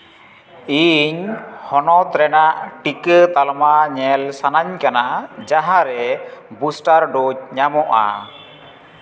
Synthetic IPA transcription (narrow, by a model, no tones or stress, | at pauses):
iɲhɔnɔt̪ɾɛnaʔʈikət̪almaɲɛlsanaɲkanad͡ʒaɦaɾɛbusʈaɾɖɔɲamɔʔa̰